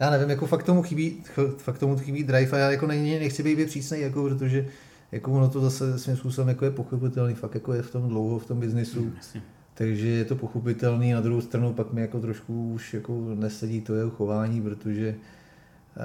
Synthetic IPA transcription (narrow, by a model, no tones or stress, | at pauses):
jaːnɛvɪmjako̞fak̚t̪omuxɪbiːxfak̚t̪omut̪̬oxɪbiːd̪ɾajfajaːjako̞nɛɲɪɪnɛxt͡sɪbejbɪpr̝̥iːsnɛjak̬opɾot̪̬oʒɛ | jakovonot̪o̞zasɛsʋimspusobɛmjako̞jɛpo̞xopɪt̪ɛlniːfakjako̞jɛft̪o̞mdlowɦoft̪o̞mbɪznɪsu | t̪aɡʒɛjɛt̪o̞po̞xop̬ɪt̪ɛlniːnad̪ɾuɦowst̪ɾanupakmɪjako̞t̪ɾo̞ʃkuuʃjako̞nɛsɛɟiːt̪ojɛɦoxo̞vaːɲiːpɾot̪oʒɛ